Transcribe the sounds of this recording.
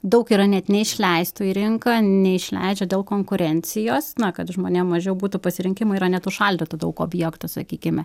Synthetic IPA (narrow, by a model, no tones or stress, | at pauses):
d̪ɐʊkiːɾɐnʲɛt̪nʲɛɪʃʲlʲɛɪst̪ʊiɾʲɪŋkɐnʲɛɪʃʲlʲɛ̰ɪd͡ʒʲɛd̪ʲeːlˠkoːŋkʊɾʲɛnʲt͡ssʲɪjoːsnɐkɐt̪ʒmoːnʲeːmmɐʒʲɛʊbuːt̪ʊpɐsʲɪɾʲɪŋʲkʲɪmʊiːɾɐnʲɛt̪ʊʃɐlʲdʲɪt̪ʊd̪ɐʊkoːbʲjɛkt̪ʊsɐ̰kʲiːkʲɪmʲɛ